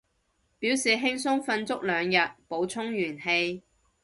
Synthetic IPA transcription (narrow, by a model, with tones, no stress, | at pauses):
piː˨˥wsiː˨˩ɦɪ˥ŋsʊ˥ŋfɐ˧nt͡sʊ˥k̚lœː˨˧ŋjɐ˨t̚po˨˧wt͡sʰʊ˥ŋjyː˨˩nhe˧j